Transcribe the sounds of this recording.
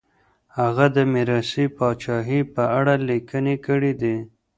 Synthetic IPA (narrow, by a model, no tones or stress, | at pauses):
haɣad̪əmɪɾɑsipɑt͡ʃɑɦipəaɽalikənekəɽid̪i